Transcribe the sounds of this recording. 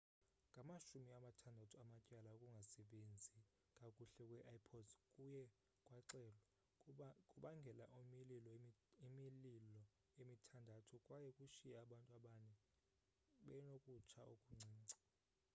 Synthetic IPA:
ŋɡʱamaʃumiamatʰandʱatʰuamacʼalaukʼuŋɡʱasɛɓend͡zʱi | kʼakʼuɬɛkʼwɛʔaipʰɔdkʼujɛ | kʼwaǀɛːla | kʼuɓaŋɡʱɛla̰ʔumililɔimililɔ | emitʰandʱatʰukʼwajɛkʼuʃijɛaɓantʼuaɓanɛ | ɓɛnokʼut͡ʃʰaokʼuŋ͡ǀʱiːŋ͡ǀʱḁ

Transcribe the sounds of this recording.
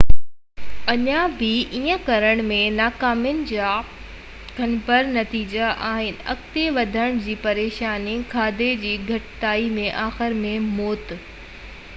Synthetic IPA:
ɐɲãbɪʔiːə̃kɐɾəɽ̃mẽnaːkaːmjənɪ̆d͡ʑaː | kʰɐnpɐɾnɐt̪iːd͡ʑaʔaːɦɪnɪ̆ɐ̰kt̪eʋɐd̪ʱəɽ̃d͡ʑiːpɐɾeːʃaːnikʰaːd̪ed͡ʑiːɡʱɐʈɪt̪aːimẽʔaːxɪɾmẽmoːt̪

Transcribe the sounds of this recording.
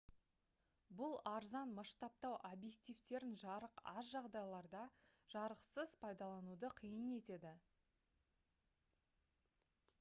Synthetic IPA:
bʊlˠɑɾzɑnmɑʃt̪ɑp̚t̪ɑwʔobje̞k̚t̪ijft̪e̞ɾɪnʒɑɾəqɑsʒɑʁd̪ɑjlˠɑɾd̪ɑʒ̥ɑɾəqsəzpʰɑjd̪ɑlˠɑnud̪əqʰijəne̞t̪e̞d̪ɪ

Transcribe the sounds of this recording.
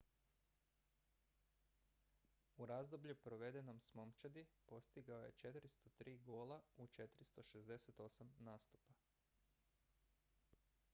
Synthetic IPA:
uɾazd̪o̞bʎupɾo̞ʋe̞d̪eno̞msmo̞mt͡ʃad̪ipo̞st̪iɡaoje̞̰t͡ʃe̞t̪ɾist̪ot̪ɾiːɡo̞ːlˠaut͡ʃe̞t̪ɾist̪o̞ʃezd̪e̞set̪o̞samnaːst̪u̥pa

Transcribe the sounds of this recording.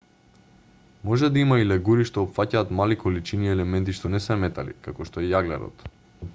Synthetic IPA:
mɔʒɛd̪aimailɛɡuɾiʃt̪oːpfacaːt̪malikolit͡ʃiniɛlɛmɛnt̪̬iʃt̪onɛsɛmɛt̪a̰lḭkakɔʃt̪oɛjaɡlɛ̰ɾɔ̰t̪

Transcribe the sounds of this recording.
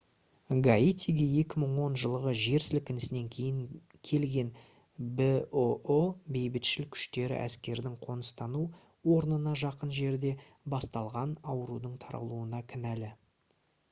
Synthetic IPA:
ɡait̪ʲiɡʲeje̞kʲɪməɴwo̞nʒəlˠəʁəʒe̞ɾsɪlkʲɪnɪsɪne̞ŋkʲʰe̞jɪŋ | kʲʰe̞lɡʲe̞n | bɪoobe̞jbɪt̪ʃɪlkʲʰʏ̥ʃt̪e̞ɾɪ̰ʔæ̰skʲe̞ɾd̪ɪŋqʰo̞nəst̪ɑnu | wo̞ɾnənɑʒɑqənʒe̞ɾd̪e̞ | bɑst̪ɑlˠʁɑnɑwəɾud̪əɴt̪ʰɑɾ̰ə̰lˠuənɑkʲʰɪnælɪ

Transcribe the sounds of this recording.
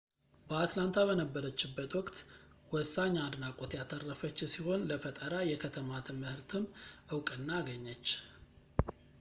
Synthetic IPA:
bəat̪lant̪ʰaβənəbːəɾət͡ʃːɪbːət̪wɔkʼt̪ | wɔsːaɲːad̪nakʼot̪jat̪ʰərːəfət͡ʃːsiho̞nləfət̪ʼəɾajɛkʰət̪ʰəmat̪ʰəmɨhɨɾt̪ʰɨmʔɨwkʼɨnːaːɡəɲːət͡ʃː

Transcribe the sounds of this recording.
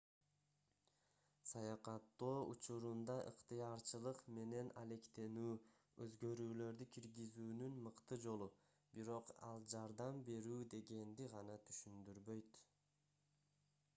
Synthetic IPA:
sɑjɑqɑt̪ːoːut͡ʃuɾund̪ɑʔɯqt̪ɯjɑɾt͡ʃɯlˠɯqme̞ne̞nɑle̞kt̪e̞nyː | ø̞̰zɡø̞ɾyːlø̞ɾd̪ykʲʰiɾɡizyːnynmɯqt̪ɯd͡ʒo̞lˠu | biɾo̞qɑ̰lˠd͡ʒɑɾd̪ɑmbe̞ɾyːd̪e̞ɡe̞nd̪iʁɑnɑt̪ʰy̥ʃynd̪yɾβø̞jt̪

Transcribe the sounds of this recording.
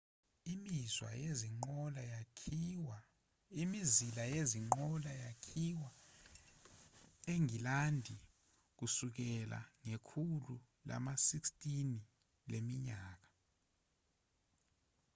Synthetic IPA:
imizwa̰jeziŋ͡ǃɔlajawa | imizilajeziŋ͡ǃɔlajakʰiwa | eŋilandʱi | k̬usuk̬ɛla̰ŋekʰulu | la̰masikstʼini | lemiɲaːk̬ḁ

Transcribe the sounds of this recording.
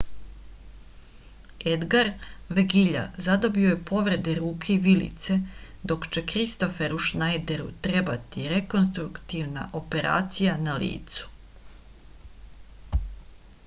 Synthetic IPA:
ed̪ɡaɾʋeɡiʎa̰zad̪o̞bioje̞po̞ʋɾe̞d̪eɾuːkʰeiʋilḭt̪se̞d̪o̞kt͡ʃe̞kɾist̪o̞feɾuʃnajd̪e̞ɾṵt̪ɾe̞bat̪iɾe̞ko̞nst̪ɾukt̪iʋna̰ʔo̞pe̞ɾa̰ːt̪sijanalḭːt̪su̥

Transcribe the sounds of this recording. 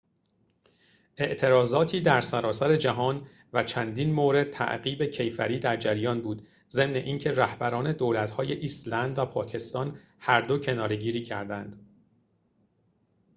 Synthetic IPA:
ʔe̞ʔt̪ʰe̞ɾɒːzɒːt̪ʰiːd̪æɾsæɾɒːsæɾe̞d͡ʒæɦɒːn | væt͡ʃʰænd̪inmoɾe̞d̪̚t̪ʰæ̰ʔɢiːbe̞cʰe̞jfæɾiːd̪æɾd͡ʒæɾjɒːnbuːd̪ | ze̞mne̞̰ʔiːncʰeræhbæɾɒːne̞d̪oːlæt̪hɒːje̞ʔiːslænd̪væpʰɒːcʰe̞st̪ɒːn | hæɾd̪o̞cʰe̞nɒːɾe̞ɟiːɾiːcʰæ̰ɾd̪ænd̪̥

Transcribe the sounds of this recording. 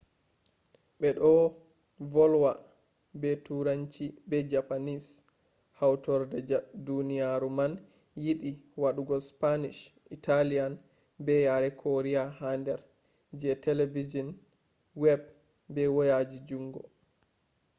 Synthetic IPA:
ɓɛɗɔ | vɔlwa | bɛtuɾaɲt͡ʃibɛd͡ʒapanis | hawtɔɾdɛdunijaɾuman | jiɗiwaɗuɡɔspaniʃʔitalijan | bɛjaɾɛkʰɔɾiahandɛɾ | d͡ʒɛtɛlevid͡ʒɔn | wɛb | bɛwɔjad͡ʒid͡ʒuŋɡɔ̰

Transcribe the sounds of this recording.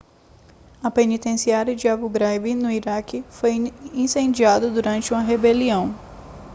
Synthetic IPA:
ɐpenit̪ẽsiaɾjɐd͡ʒiabuɡɾajbinʊiɾakɪfojĩsẽnd͡ʒiad̪ɐd̪uɾɐ̃nt͡ʃɪũmɐɦebeliɐ̃w̃

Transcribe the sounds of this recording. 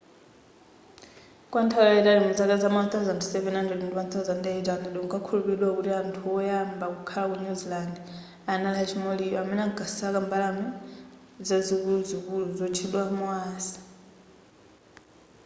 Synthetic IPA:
kwantʰakaɛtaɾimud͡zakazamat̪ʰazandʰu̥sɛvɛnandɛdɛndimant̪ʰazandɛɛtandɛɗɔŋkakʰulupiɗwakutiantʰuɔjambakukʰalak̬uɲuziland | analat͡ʃʰimɔliamɛnaŋɡasakambalami | d͡zazikuuzikuluzɔt͡ʃʰiɗwamwaːsḁ

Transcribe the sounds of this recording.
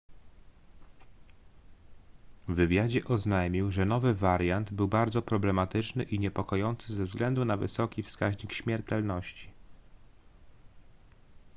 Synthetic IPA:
vɘvʲjad͡ʑɛʔɔznajmʲiwʐɛnɔvɘvaɾjand̪bɘwbaɾd̪zɔpɾɔblɛmat̪ɘt͡ʂnɘʔiɲɛpɔkɔjɔnt̪sɘzɛvzɡlɛnd̪unavɘ̰sɔkʲifskaʑɲikɕmʲjɛɾt̪ɛlnɔɕt͡ɕi̥

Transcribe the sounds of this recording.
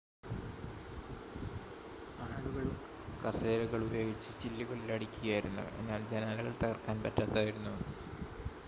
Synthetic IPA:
aːɭuɣɐɭum | kɐseːɾuɣɐɭubɐjoːɡit͡ɕːɨt͡ɕilːuɣɐɭilɐɽikʲːuɣɐjaːjiɾunːṵe̞̰nːaːld͡ʑenaːlɐɣɐɭt̪ɐɣɐrkaːnpɐtːaːt̪ːaːjiɾunːu

